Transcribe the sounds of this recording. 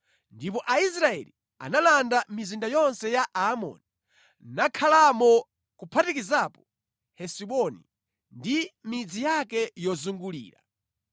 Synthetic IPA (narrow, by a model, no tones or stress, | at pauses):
ndip̬ɔʔais̬ɾaɛ̰li | a̰nalandamizindajɔnsɛjaʔaːmɔ̰ni | nakʰalamɔ | kupʰatikizapɔ̥ | hɛsiɓɔnḭ | ndimid͡zijakɛjɔzuŋɡulḭːɾa̰